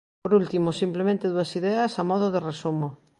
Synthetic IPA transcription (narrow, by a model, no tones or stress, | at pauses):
poɾult̪imosimplemẽnt̪eðuɐsiðɛɐsamɔð̞oðeresumo